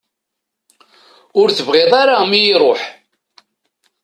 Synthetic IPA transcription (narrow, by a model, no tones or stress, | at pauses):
ʊɾθəvʁeðˤaɾamijiɾˤoħ